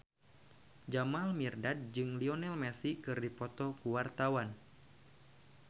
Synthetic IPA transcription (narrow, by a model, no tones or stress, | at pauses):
d͡ʒamalmirdad̚d͡ʒɨŋliɔnɛlmɛsikɨrdipɔt̪ɔkuwart̪awan